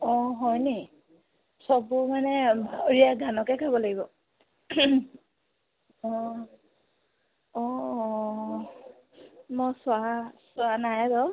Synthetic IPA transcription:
ɔɦɔjne | sɔbʊmanɛɹijaɡanɔkɛkʰabɔlaɡibɔ | ɔ | ɔ | mɔswasʊanajdɔ

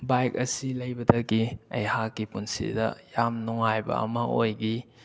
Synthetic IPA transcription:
bajkɐsilɐjbɐdɐɡiɐ̰jhakːipunsḭdɐ̰jamnuŋajbɐ̰ɐ̰mɐojɡi

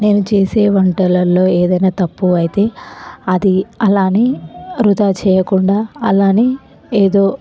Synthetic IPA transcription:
ne̞ːnut͡ʃeːseːʋɐɳʈɐlɐlːo̞ːeːd̪ɐjnaːt̪ɐpːuɐjit̪e̞ːɐd̪iɐlaːniːɾud̪aːt͡ʃɛːjɐkuɳɖaːɐlaːni | eːd̪o̞ː

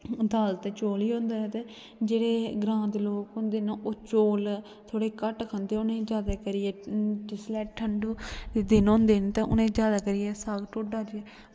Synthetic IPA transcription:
d̪aːlt̪ːt͡ʃoːliːõːnd̪aːɛːt̪ẽː | d͡ʒeːɽeːɡɾãːnd̪loːkõnd̪eːnaʔoːt͡ʃoːl | t̪ʰoːɽeːkəʈkʰə̃nd̪eːʊnẽːd͡ʒjaːd̪eːkəɾiɛːʈɪslɛːʈʰəɳɖuːd̪ɪnõːnd̪eːnt̪ãʔʊ̰nẽːd͡ʒjaːd̪aːkəɾijɛːsaːɡʈoːɖaːd͡ʒɛː

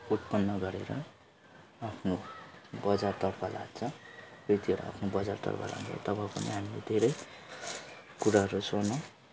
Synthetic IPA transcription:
ut̪̚pʌnːʌɡʌɾeɾʌ | apʰnobʌd͡zart̪ʌrpʰʌla̰d̪̚t͡sʰʌ̃prit̪iɦʌɾṵa̰pʰnobʌd͡zart̪ʌ̰rpʰʌ̰la̰unt͡sʰʌ̰t̪ʌbʌpʌnḭɦamilḛd̪ʱeɾʌj | kuɾaɦʌɾusʌnʌ

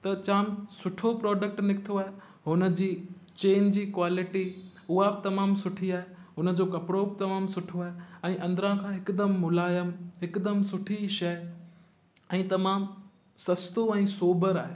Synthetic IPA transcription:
t̪ɐt͡ɕaːmsʊʈʰopɾɔːɖək̚ʈnɪkɪt̪ʰoaːɦe | ɦʊnə̆d͡ʑiːt͡ɕeːnd͡ʑiːkwaːlɪʈi | ʊɦabɪt̪ɐmãːmsʊʈʰiaːɦeɦʊnə̆d͡ʑoːkɐpɽobɪt̪ɐmaːmsʊʈʰoaːɦeɛ̃ːʔɐ̃nd̪ɾãkʰãːɦɪkd̪əmːʊlaːjəmɦɪkd̪əmsʊʈʰiʃɐj | ɛ̃ːt̪ɐmaːm | sɐst̪oɛ̃ːsoːbəɾaːɦeː

